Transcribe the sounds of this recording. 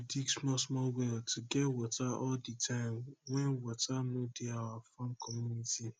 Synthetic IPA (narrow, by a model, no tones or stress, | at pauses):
diksmɔsmɔlwɛltʊɡɛwɔtʰaɔlditʰãɪmwɛnwɔtʰanʊdɪawafamkʰɔmjuniti